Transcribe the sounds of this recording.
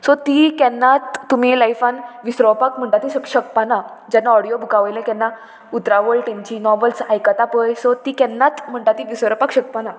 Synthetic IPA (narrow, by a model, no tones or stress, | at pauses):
sɔt̪ikɛnːat̪ːum̤ilajfãnʋisɾɔpakm̤əɳʈat̪iɕəkɕək̚panad͡ʑanːaɔɽijobʱukaʋəjlãkɛnːa | ut̪ɾaʋəlʈẽnt͡ɕinɔʋəlsajkat̪apəjsɔt̪ikɛnːat̪m̤əɳʈat̪iʋisɾɔpakɕək̚pana